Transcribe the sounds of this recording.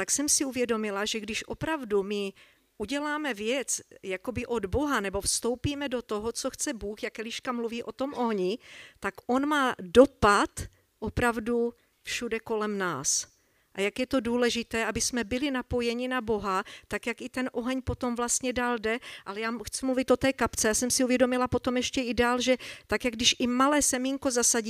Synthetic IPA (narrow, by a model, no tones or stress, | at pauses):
t̪aksɛmsɪuvjɛdo̞mɪlaʒɛɡdɪʃʔopɾavdumɪ | ʔuɟɛlaːmɛvjɛt͡sjako̞bɪʔo̞d̪bo̞ɦanɛbo̞fst̪owpiːmɛdo̞t̪o̞ɦot͡so̞xt͡sɛbuːxjakɛliʃkamluviːʔo̞t̪o̞mʔo̞ɦɲɪt̪akʔo̞nmaːdo̞pat̪ | ʔo̞pɾavdu | fʃudɛko̞lɛmna̰ːs | ʔajakjɛt̪o̞duːlɛʒɪt̪ɛːabɪsmɛbɪlɪnapo̞jɛɲɪnabo̞ɦat̪akjakɪt̪ɛnʔo̞ɦɛɲpo̞t̪o̞mvlast̪ɲɛdaːldɛʔalɛjaːxt͡sumluvɪt̪ʔo̞t̪ɛːkapt͡sɛjaːsɛmsɪuvjɛdo̞mɪlapo̞t̪o̞mjɛʃcɛɪdaːlʒɛt̪akjaɡ̚dɪʃʔɪmalɛːsɛmiŋko̞zasaɟː